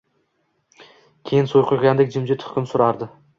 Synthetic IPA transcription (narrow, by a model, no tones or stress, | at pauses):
kʲʰejɪnsojqʰojɡʲand̪ɪkʲd͡ʒɪmd͡ʒɪt̪ʰʊ̥χkʲɪmsʊɾɑɾd̪ɪ